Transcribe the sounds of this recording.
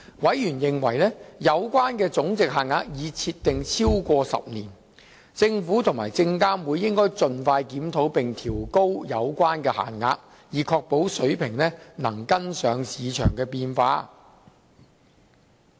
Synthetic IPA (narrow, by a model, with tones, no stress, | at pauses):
wɐ˨˥jjyː˨˩njɪ˨ŋwɐ˨˩jlɛː˥jɐ˨˧wkʷaː˥nkɛː˧t͡sʊ˨˥ŋt͡sɪ˨k̚ɦaː˨˩nŋaː˧k̚jiː˨˧t͡sʰiː˧t̪ːɪ˨ŋt͡sʰiː˥wkʷɔː˧sɐ̰˨p̚niː˨˩n | t͡sɪ˧ŋfuː˨˥t̪ʰʊ˨˩ŋmaː˨˩jt͡sɪ˧ŋkaː˥nwuː˨˧jːɪ˥ŋkɔː˥jt͡sɵ˨nfaː˧jkiː˨˥mt̪ʰo˨˥wpɪ˨ŋt̪ʰiː˨˩wko˥wjɐ˨˧wkʷaː˥nkɛː˧ha̰ː˨˩nŋa̰ː˧k̚ | jiː˨˩kʰɔː˧k̚po˨˥wsɵ˨˥ɥpʰɪ˨˩ŋlɛː˥nɐ˨˩ŋkɐ˥nsœː˨˧ŋsiː˨˧t͡ʃʰœ̰ː˨˩ŋkɛː˧piː˧nfaː˧